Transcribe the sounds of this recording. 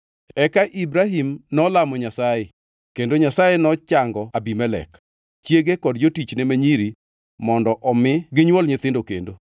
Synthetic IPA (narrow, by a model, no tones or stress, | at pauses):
ɛkaʔibɾaɦimnɔlamɔɲasaje | kendoɲasajenɔt͡ʃaŋɡɔabimɛlɛ̰k | t͡ʃjeɡekɔdd͡ʒotit͡ʃnemeɲiɾi | mɔndɔʔɔmɪɡɪɲwɔlɲɪt̪ɪndokḛndo